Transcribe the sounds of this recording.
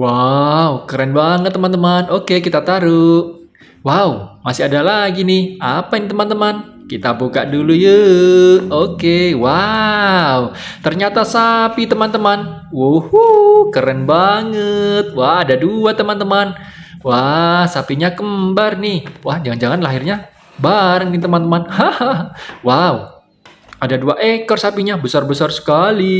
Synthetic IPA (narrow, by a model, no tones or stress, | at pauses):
waukəɾɛnbaŋət̪ːəmant̪əmanokekit̪at̪aɾuʔ | waumasɪadalaɡinɪhapajɪŋt̪əmant̪əman | kit̪abukaʔduluju | okewa | ut̪ərɲat̪asapit̪əmant̪əmanwohukəɾənbaŋət̪̚waadaduat̪əmant̪əmanwahsapiɲakəmbarnɪhwahd͡ʒaŋand͡ʒaŋanlaɦirɲa | baɾəŋnit̪əmant̪əmanhahwau | adaduaʔekɔrsapiɲabəsarbəsarsə̥kali